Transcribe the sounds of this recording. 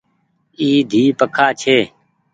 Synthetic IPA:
iːd̪ʱiːpəkʰaːt͡ʃʰeː

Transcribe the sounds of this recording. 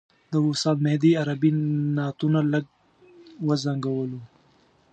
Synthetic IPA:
d̪əʊsɑd̪mehd̪iaɾabinɑt̪unaləɡ̚ | wəzaŋɡawəlu

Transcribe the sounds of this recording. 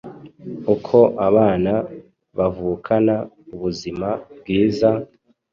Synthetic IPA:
ukʰo̞ʔaβaːna | βavukʰana | uβuzimabɡiːza

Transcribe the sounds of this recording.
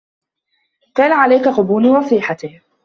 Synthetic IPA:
kaːnaʕalajkaqʊbuːnwɑsˤiːħat̪ɪh

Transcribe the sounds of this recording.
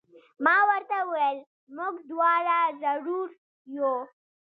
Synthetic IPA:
mɑwəɾt̪auel | muɡd̪wɑɾazaɽuɾ | jo

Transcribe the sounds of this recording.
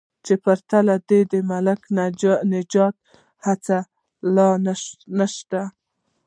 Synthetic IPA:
t͡ʃepaɾt̪alad̪ed̪emalaknɪd͡ʒɑt̪̚ | hat͡sa | lɑnaʃt̪a

